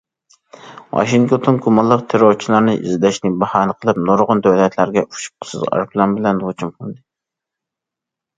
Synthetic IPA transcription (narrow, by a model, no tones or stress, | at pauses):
wɑ̰ʃiŋt̪ʰot̪ʰonkʰumɑlˠːəqt̪ʰeɾoɾt͡ʃʰilˠɑɾnɨʔḭzd̪ɛʃnɪbɑhɑːnɨqʰəlˠɨp̚noɾʁʊnd̪øwlɛt̪ʰlæɾɡʲɛʔu̥ʃu̥p̚qʰə̥sɨ̰zʁɑ̰ɾpʰlˠɑnbɪlɛnot͡ʃʰumqʰʊnd̪ɨ